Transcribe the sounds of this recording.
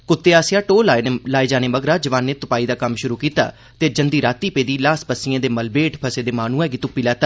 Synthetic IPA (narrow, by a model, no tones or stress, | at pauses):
kʊt̪ːeːaːsɪjaːʈoːllaːed͡ʒaːneːməɡɾaːd͡ʒəʋãːnːeːt̪ʊpaːiːd̪aːkəmʃʊɾuːkiːt̪a̰ː | t̪eːd͡ʒənd̪iːɾaːt̪iːpeːd̪iːlaːsbəsːɪjãːd̪eːməlbeːʈʰpʰəseːd̪eːmaːnũːɛ̃ːɡit̪ʊpːiːlɛːt̪a